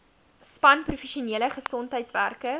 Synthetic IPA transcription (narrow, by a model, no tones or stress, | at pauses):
spɐnprufeʃiuniələχəsɔntɦəjtsværkə